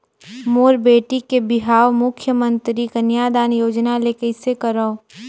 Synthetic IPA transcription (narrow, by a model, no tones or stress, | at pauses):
moːɾbeːʈikebɪɦaːwmʊkʰjəmə̃nt̪ɾikənjaːd̪aːnjoːd͡ʒnalekɐɪsekəɾao